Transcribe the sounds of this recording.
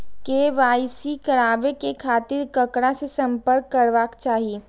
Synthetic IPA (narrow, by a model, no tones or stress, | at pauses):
keːʋaːɪsikɐɾaːbekekʰaːt̪ɪɾkɐkɽasesɐ̃mpəɾkːɐɾʋaːkt͡ʃaːɦieː